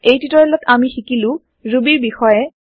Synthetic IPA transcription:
ejtitɔɹɛlɔtamixikilʊ̃ | ɹubiɹbixɔjɛ

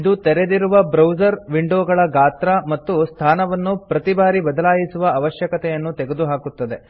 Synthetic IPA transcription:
id̪ut̪ɛɾed̪iɾuʋɐbɾɐwzɐɾʋiɳɖoːɡɐɭɐɡaːt̪ɾɐmɐt̪ːust̪ʰaːnɐʋɐnːupɾɐt̪ibaːɾibɐd̪ɐlaːjisuʋɐɐʋɐʃjɐkɐt̪ɛjɐnːut̪ɛɡe̞d̪uɦaːkut̪ːɐd̪e̞

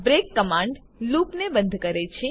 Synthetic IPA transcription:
bɾekːəmãɳɖ | lupnebə̃nd̪ʱkəɾet͡ʃʰe

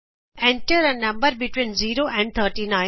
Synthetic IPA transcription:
ɛ̃ɳʈəɾənɐ̃mbəɾbɪʈwĩːnziːɾoʔɛ̃ɳɖ̚t̪ʰəːɾʈinãɪ̃

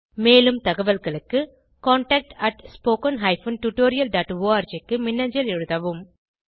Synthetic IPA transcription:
meːlɯmt̪ɐɣɐʋɐlɣɐɭɯkːɯ | kaːɳʈɐːk̚ʈɐʈspoːkɐnɦɐɪfɐnʈjuʈoːɾɪjɐlɖaːʈʋoːaːɾd͡ʒɐkːɯmɪnːɐɲd͡ʒɐlɛɻɯðɐʋɯm

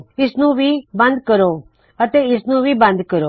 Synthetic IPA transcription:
ɪsnũʋiːbɐ̃nd̪̚kəɾoː | ət̪eɪsnũːʋʱiːbɐ̃nd̪kəɾoː

